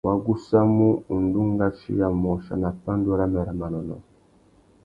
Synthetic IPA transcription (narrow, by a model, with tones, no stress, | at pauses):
wa˨ɡu˦sa˦mu˦u˨n˨du˦ŋ˦ɡa˦ʃḭ˦ɡa˨mɔ˨ʃa̰˨na˨pa˦n˦do˦ɾa˦mɛ˨ɾɛ˨ma˨nɔ˨nɔ̰˨